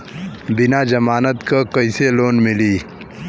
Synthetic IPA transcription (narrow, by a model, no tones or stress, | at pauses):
bɪnaːd͡ʒɐmaːnət̪kakɐiseloːnmɪliː